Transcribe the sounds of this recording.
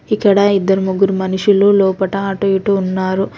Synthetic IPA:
ikːɐɽɐid̪ːɐɾumuɡuɾumɐnuʂuloːlɔːpɐʈɐaːʈoiʈuːnːaːɾu

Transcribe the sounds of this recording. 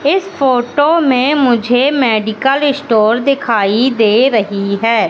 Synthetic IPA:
ɪspʰoːʈoːmẽmʊd͡ʒʱeːmɛːɖɪkəlɪsʈoːɾd̪ɪkʰaːid̪eːɾəɦiɦɛː

